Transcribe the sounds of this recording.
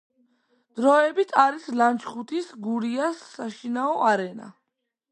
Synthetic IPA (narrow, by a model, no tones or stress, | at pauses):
d̪̥ɾɔɛbit̪ʰaɾislant͡ʃʰχut̪ʰisɡuɾiasːaʃinaɔʔaɾɛna̰